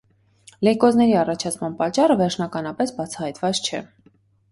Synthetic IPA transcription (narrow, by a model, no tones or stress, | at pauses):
lɛkɔznɛɾiɑrɑt͡ʃʰɑt͡sʰmɑnpɑt͡ʃːɑrəvɛɾt͡ʃʰnɑkɑnɑpɛsbɑt͡sʰɑhɑjt̪vɑt͡st͡ʃʰɛ̰